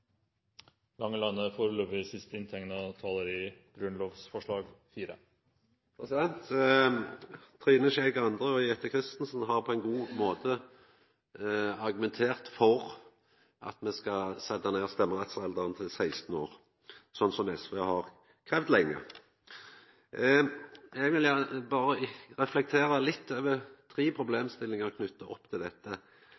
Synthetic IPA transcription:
lɑŋːəlɑnːəfoːɾəløːpʋɪsɪst̪əɪnt̪ʰɛŋnɑt̪ʰɑːləɾiːɡ̥ɾʉnloːfsfɔʂɭɑːɡfiːɾə̰ | pʰɾɛsɪd̪ɛnt̪ | t̪ʰɾiːnəʃɛɪɡɑnd̪ʁəɔjɛt̪əkʰʁɪst̪n̩sn̩ɦɑʁpʰɔɛɪnɡuːmoːt̪ə | ɑʁɡʉmɛnt̪ʰeːʁt̪fɔʁ | ʔɑ̰t̪mɛskɑsɛd̪ːɑneːʁst̪ɛmːəʁɛt̪sɛld̪əʁənt̪ʰɪlsæɪst̪n̩o̰ːɾ | sɔnːsɔmɛsʋeːhɑʁ | kʰɾeːʋd̪lɛŋːə̰ | ɛɡʋɪljæbɑːɾəʁɛflɛk̚t̪ʰeːɾəlɪt̪ːøːʋət̪ʰɾiːpʰɾʊbleːmst̪ɪlɪŋɑʁkʰnʏt̪ːɑʔɔpːt̪ʰɪld̪ɛt̪ːə

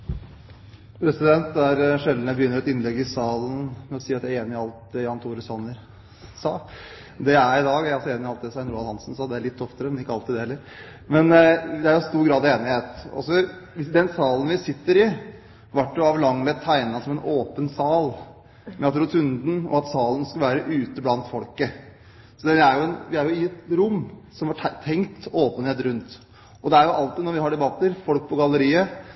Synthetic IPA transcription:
pʰɾɛsɪd̪ɛnt̪æɾʂɛld̪njæbəjʏnːəɾɔɛt̪ɪnlɛɡːɪsɑːln̩mɛsiːɾɑt̪jæeːnɪɪɑlt̪̚d̪ɛjɑnt̪ʰuːɾəsɑnəɾ | sɑː | d̪ɛæɾɪd̪ɑːɡæɑlsɔeːnɪɑlt̪̚d̪ɛsɑːnɾuːɑlhɑnsn̩sɑːd̪ɛæɭɪt̪ʰːɔft̪əɾəmɛnɪkːəɑlt̪ɪd̪ɛhɛlːəɾ | mɛnd̪ɛæɾjʊst̪uːɾɡɾɑːd̪eːnɪheːt̪ɔ̰sɔ | ʋɪd̪ɛnsɑːlən̩ʋɪsɪt̪ːəɾɪ | ʋæʈːjʊɑʋlɑŋlɛt̪ʰːæɪnɑsɔmɛnʔoːpənsɑːl | mʔɛɑt̪ɾʊt̪ʰʉnd̪n̩ɔ̰ɑt̪sɑːlənskɑlʋæːɾəʔʉːt̪əblɑnt̪fɔlkə | sɔd̪ɛæɾjʊɛnʋɪæɾjʊɪɛt̪ɾʊmːsɔmhɑʈt̪ʰːɛŋkt̪oːpənheːt̪ɾʉnt̪ | ɔd̪ɛæɾjʊʔɑlt̪ɪnɔɾʋɪɦɑɖɛbɑt̪ːəɾfɔlk̚pʰɔɡɑlːəɾiːə

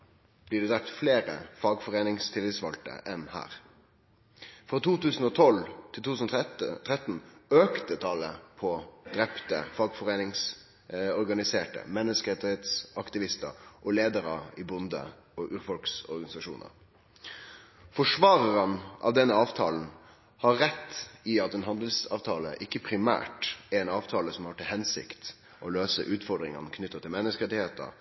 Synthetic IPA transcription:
b̥liːɖɛd̪ʁɛp̚t̪fleːɾə̰fɑɡfɔʁeːnɪŋst̪ʰɪlɪt̪sʋɑlt̪ə̰ʔɛnhæ̰ːɾ | fɾɑːt̪ʰuːt̪ʉːsn̩ɔːt̪ʰɔlt̪ʰɪlt̪uːsnɔt̪ʰʁɛt̪n̩øːkt̪ət̪ʰɑləpʰɔd̪̥ɾɛpt̪ə̰fɑɡfɔʁeːnɪŋs | ɔɾɡɑnɪseːʈə̰mɛnːəskəet̪ɪɛːt̪sɑkt̪ɪʋɪst̪ə̰ɾʔɔleːd̪əɾəɪbʊnd̪ə̰ | ɔʔʉːɾfɔlksɔ̰ɾɡɑnɪsɑʂuːnə̰ɾ | fɔʂʋɑːɾəɾənʔɑ̰ʋd̪ɛnːəɑːʋt̪ʰɑːln̩ | hɑɾːɛt̪ːɪɑt̪ɛnɦɑnd̪lsɑ̰ːʋt̪ʰɑːlə̰ʔɪkːəpʰɾɪmæ̰ːʈɛɾɛnɑːʋt̪ʰɑːləsɔmhɑʈʰːɪlhɛnsɪ̰kt̪ | ʔɔløːsə̰ʔʉːt̪fɔɾɖ̪ɾɪŋɑnkʰnʏt̪ːət̪ɪlmɛnːəskəɾɛt̪ɪheːt̪ə̰ɾ

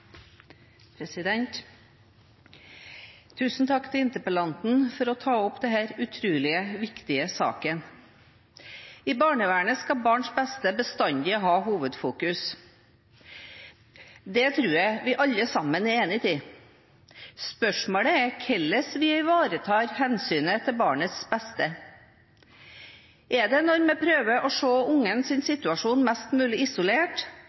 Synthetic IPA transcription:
pʰɾɛsɪd̪ɛnt̪ | t̪ʰːʉːsn̩t̪ʰɑkːt̪ʰɪlɪnt̪əpəlɑnt̪n̩fɔɾɔt̪ʰɑːɔpd̪ɛhæːɾʉt̪ʰɾʉːlɪəʋɪkt̪ɪəsɑ̰ːkən | ɪbɑːɳəʋæːɳəskɑbɑːɳʂbɛst̪əbəst̪ɑnd̪ɪɔɦɑːɦuːʋəd̪fuːkʉs | d̪ɛt̪ʰɾʉːɾjæɪʋɪʔɑʎːəsɑmːənɛeːnɪt̪ʰiː | spœʂmoːɽəækʰɛlːəsʋɪæɪʋɑːɾət̪ʰɑːɾhɛnsyːnət̪ʰɪlbɑːɳət̪sbɛst̪ə | ʔɛɖ̪ɛnɔɾmɛpʰɾøːʋəʔɔʂoːʊŋənsɪnsɪt̪ʉɑʂuːnmɛst̪mʉːlɪɪsʊleːʈ

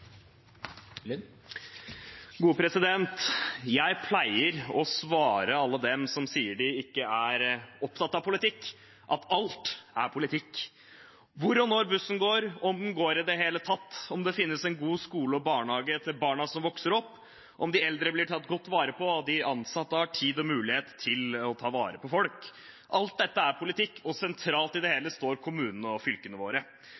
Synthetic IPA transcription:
ɡuːpʰɾɛsɪd̪ɛnt̪jæɪpʰlæɪəɾɔsʋɑːɾəɑlːəd̪ɛmsɔmsiːəɖɪɪkːəæɾɔpt̪ɑt̪ːɑʋpʰʊlɪt̪ʰɪkː | ʔɑt̪ɑlt̪æ̰ɾpʰʊlɪt̪ʰɪkː | ʋʊɾɔnːɔɾbʉsːən̩ɡoːɾɔmn̩ɡoːɾɪd̪ɛɦeːlət̪ʰɑt̪ːɔmd̪ɛfɪnːəsɛnɡuːskuːləɔbɑːɳhɑːɡəɛt̪ʰːəbɑːɳɑsɔmʋɔksəɾɔpː | ʔɔmd̪ɪɛld̪ɾəblɪʈʰɑt̪ːɡɔt̪ːʋɑːɾəpʰɔd̪ɪʔɑnsɑt̪ːɑʈʰiːd̪ɔmʉːlɪheːt̪t̪ʰːɪlɔt̪ʰɑːʋɑːɾəpʰɔfɔlk | ʔɑlt̪̚d̪ɛt̪ːəæɾpʰʊlɪt̪ʰɪkːɔsɛnt̪ʰɾɑːlt̪ɪd̪ɛheːləst̪oːɾkʰʊmʉːnənəɔfʏlkənəʋoːɾə

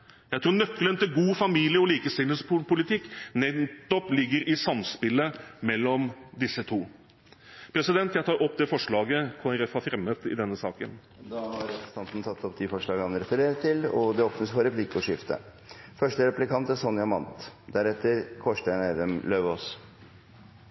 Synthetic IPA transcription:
jæɪt̪ʰɾuːɾnœkːlənt̪ɪlɡuːfɑmiːlɪəɔliːkəst̪ɪləspʰʊlɪt̪ʰɪkːnɛt̪ːɔplɪɡːəɾʔɪsɑmspɪləmɛlːɔmd̪ɪsːət̪ʰuː | pʰɾɛsɪd̪ɛnt̪jæɪt̪ɑːɾʔɔpːd̪ɛːfɔʂɭɑːɡəkʰoːɛɾɛfhɑɾfɾɛmːət̪ɪ̰d̪ɛnːəsɑ̰ːkə̰n | d̪ɑhɑɾst̪ɑnt̪n̩t̪ʰɑt̪ːɔp̚d̪ɪfɔʂɭɑːɡɑnɾɛfəɾeːɾət̪ʰːɪlɔd̪ɛɔpnəsfɔɾɛpʰlɪkːɔʂɪft̪ə̰ | fœʂʈəɾɛplɪkʰɑnt̪æsɔnjɑmɑnt̪d̪æɾɛt̪ːəɾkʰɔʂʈæɪnæɪd̪əmløːʋɔs

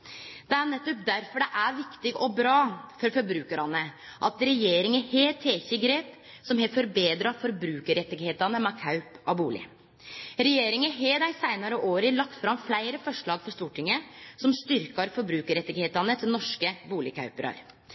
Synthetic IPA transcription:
d̪̥ɛænɛt̪ːɔp̚d̪æɾfɔɖɛʔæɾʋɪkt̪ɪɡɔbɾɑːfɔɾfɔɾbɾʉːkəɾɑnəʔɑt̪ɾɛjeːɾɪŋəheːt̪ʰeːçəɡɾeːp | sɔmɦefɔɾbeːd̪ɾɑfɔɾbɾʉːkəɾɛt̪ːɪɡheːt̪ɑnəmɑkʰɑʉpɑbuːlɪ̰ | ɾɛjeːɾɪŋəɦeːd̪æɪsæɪnɑɾəʔoːɾəlɑkt̪fɾɑmflæɪɾəfɔʂɭɑːɡfɔʂt̪uːʈʰɪŋːəsɔmst̪ʏɾkɑɾfɔɾbɾʉːkəɾɛt̪ːɪɡheːt̪ɑnət̪ʰɪlnɔʂkəbuːlɪkʰɑ̰ʉpəɾɑ̰ɾ

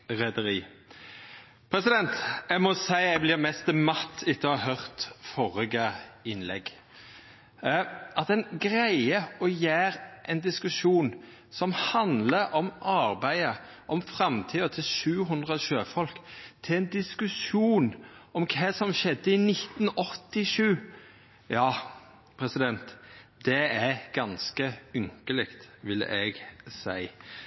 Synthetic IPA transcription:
ʁɛd̪əɾiː | pʰɾɛsɪd̪ɛnt̪jæmɔsæɪæblɪʁmɛst̪əmɑt̪ʰːɪt̪ːəɑhœʁt̪fɔɾɪɡəɪnlɛ̰ɡ | ɑt̪ɛɪnɡʁæɪəɔjæːɾʔɛɪnd̪ɪskʉʃuːn | sɔmhɑnd̪ləʔɔmʔɑʁbæɪə | ʔɔmfɾɑmt̪ʰiːɔt̪ʰɪlʃʉːɦʉnd̪ʁəʃøːfɔlkt̪ʰɪlɛɪnd̪ɪskʉʃuːnɔmkʰɛːsɔmʃɛd̪ːəɪnɪt̪ːnɔt̪ːɪʂʉː | jɑː | pʰɾɛsɪd̪ɛnt̪d̪̥ɛæɡ̥ɑnskəʏŋkəlɪkt̪ʋɪlːə̰ʔɛɡsæ̰ɪ

